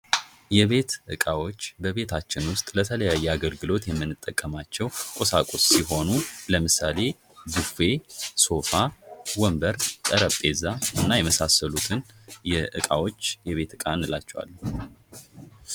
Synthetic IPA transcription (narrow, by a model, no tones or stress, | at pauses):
jɛβe̞t̪ʔɨ̰kʼawo̞t͡ʃːbəβe̞t̪ʰat͡ʃːɪnwʊst̪ʼlət̪ʰələjajːɛaɡəlɡɨlo̞t̪jɛmːɨnːɨt̪ʼːəkʼːəmat͡ʃːɛwkʼosakʼosːiɦo̞nuləmɨsale̞ | ɡɨfe̞so̞fawəmbəɾt̪ʼəɾəpʼːe̞zaɨnːajɛməsasːəlut̪ʰɨn | jɛʔɨ̰kʼawo̞t͡ʃːjɛβe̞t̪ɨkʼaɨnːɨlat͡ʃːɛwa̰lːu